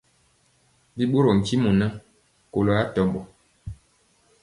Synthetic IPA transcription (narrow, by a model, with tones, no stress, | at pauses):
bi˦ɓo˦ɾo˨ŋ̩˨ki˦mu˨na˦ | ko˨lo˨a˦tɔ˨bɔ˨